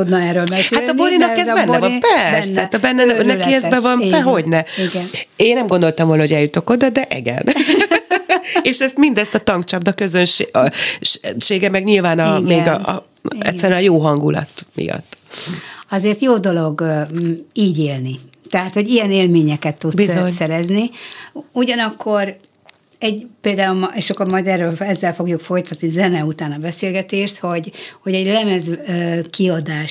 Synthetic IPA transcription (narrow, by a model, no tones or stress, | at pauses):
ud̪nɛːɾølmɛshat̪ɒboɾinɒkɛzbɛnːɛvɒmpɛrsɛt̪ɛbɛnːɛnɛkiɛzbɛvɒnɛɦo̞ɟnɛiɡneːnɛmɡond̪o̞lt̪ɒmvoːlɒɦo̞ɟɛljut̪o̞kod̪ɒd̪ɛʔɛ̰ɡɛ̰n | eːʃɛst̪mind̪ɛst̪ɒt̪ɒŋk̚t͡ʃɒbd̪ɒkø̞zønʃe | ʃeːɡɛmɛɡɲilvaːnɒmeːɡɒʔ | ɛ̰tsːɛɾɛnɒjoːɦɒŋɡulɒ̰t̪mḭjɒ̰t̪ː | ɒzeːrt̪joːd̪o̞lo̞ɡ | iːɟeːlnit̪ɛɦaːt̪ho̞ɟijɛneːlmeːɲɛkɛt̪ːut̪bsioɲsɛɾɛzni | uɟɒnɒkʰːo̞r | ɛɟpeːld̪aːulmʔeʃɒkːormɒd̪ɛrːølɛzːɛlfo̞ɡjukfo̞jt̪ɒt̪nizɛnɛut̪aːnɒbɛseːlɡɛt̪eːʃt̪ho̞ɟho̞ɟɛɟlɛmɛzkiɒd̪aːʃ